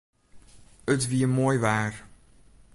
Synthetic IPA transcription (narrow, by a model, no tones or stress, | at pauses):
ətviəmoːjvæːr